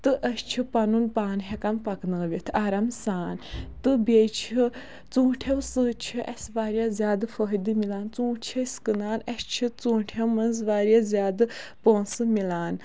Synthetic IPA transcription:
t̪ɨʔəst͡ʃʰipɐnunpaːnɦɛkɐnpɐknəːʋʲit̪ʰaɾɐmsaːnt̪ɨbet͡ʃʰi | t͡sũːʈʰewsɨːt͡ʃʰiʔɐsʋaːɾʲjazʲjaːd̪ɨfəɦd̪ɨmilaːnt͡sũːt͡ʃʰiskɨnaːnɐst͡ʃʰit͡sũːʈʰewmɐnzʋaːɾjaːzʲjaːd̪ɨpoːnsɨmilaːn

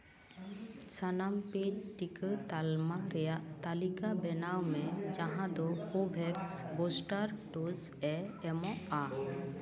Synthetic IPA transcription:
t͡ʃanampedʈikət̪almaɾɛjaʔt̪alikabɛnawmɛd͡ʒaɦãd̪ɔkobʱɛksbosʈaɾɖos | ɛɛmɔʔa

